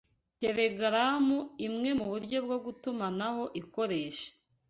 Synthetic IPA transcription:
te̞ɾe̞ɡɾamuimŋe̞muβuɾɟo̞b̚ɡo̞ɡutumanaho̞ʔiko̞ɾe̞ːʃḁ

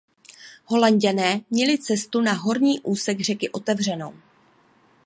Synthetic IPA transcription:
ɦo̞laɲɟanɛːmɲɛlɪt͡sɛst̪unaɦo̞ɾɲiːʔuːsɛɡr̝ɛkɪʔot̪ɛvr̝ɛno̞̰w

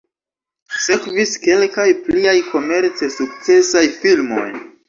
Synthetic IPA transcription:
se̞kviske̞lkajpliajko̞me̞ɾt͡se̞suk̚t͡se̞sajfilmo̞̰j

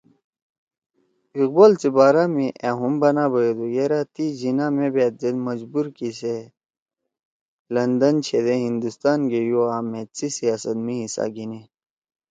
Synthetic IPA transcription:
iq̚boːlt͡sibaːɾamiʔaɦumbɐnaːbɐjed̪ujeɾat̪id͡ʑinamebeːt̪̚d͡zed̪mɐd͡ʑbuɾkise | lɐnd̪ɐnt͡ɕʰed̪eɦind̪ust̪aːnɡejuaːmet͡sisijaːsɐt̪̚miɦisa̰ɡine

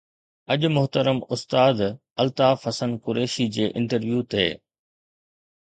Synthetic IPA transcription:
ɐʄʊmʊɦt̪əɾəmʊst̪aːd̪ | ɐlt̪aːfɐsənkʊɾeːʃid͡ʑeːʔɪ̃ɳʈəɾʋjuːt̪eː

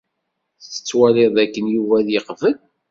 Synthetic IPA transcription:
θət͡sːə̥t͡sːwæɾeðˤækːənjuvæðjəqvəl

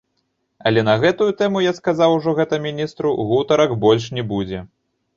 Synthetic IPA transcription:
ɐlʲɛn̪ɐɣɛt̪ujut̪ɛmujaskazawuʐɔɣɛt̪ɐmʲinʲist̪ɾuɣut̪ɐɾɐkbɔlʲʂnʲɛbud͡zʲɛ

